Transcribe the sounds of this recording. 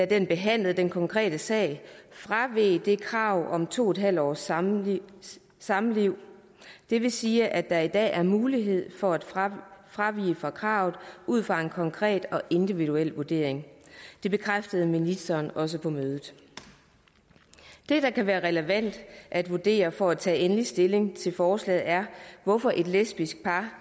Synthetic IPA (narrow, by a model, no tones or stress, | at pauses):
dæd̥enb̥e̝ɦæn̰lð̩ˠd̥enkʰɒ̽ŋkʰʁɛ̰ːd̥əsɛ̰ɪ̰fʁaʋeːd̥e̝kʰʁɑ̈ʊ̰ʔɒ̽mt͡sʰo̝̰ːed̥ɦæl̰d̥ɒ̰ːs | sɑ̈mliʊ̰ | d̥e̝ʋe̝siːʔæd̥ɑ̈id̥ɛ̰ːʔæɐmuːliɦe̝ð̞̰ˠfɒ̽æd̥fʁaʋḭːfʁɑ̈kʰʁɑ̈ːʊð̩ˠuð̰ˠfʁɑ̈e̝nkʰɒ̽ŋkʰʁɛ̰ːd̥ɒ̽ʔe̝nd̥iʋid̥uel̰ʋuɐd̥e̝̰ɐ̰eŋd̥e̝b̥e̝kʰʁafd̥əð̞̩ˠminisd̥ɐːnɒ̽s̬əpʰɒ̽møːð̞̩ˠ | d̥e̝d̥ɑ̈kʰæʋæːɐʁɛləʋæn̰d̥ʔæd̥ʋuɐd̥e̝̰ːɐfɒ̽æt͡sʰɛ̰ːenlisd̥e̝le̝ŋt͡sʰe̝lfɒːslɛ̰ːð̩ˠæɐʋɒfɒ̽ʔe̝d̥lesb̥isɡ̥̚pʰɑ̈